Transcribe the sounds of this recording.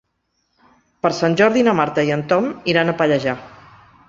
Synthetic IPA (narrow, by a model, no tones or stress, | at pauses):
pəɾsanʲʒɔɾðinəmaɾt̪əiənt̪ɔmiɾanəpəʎəʒa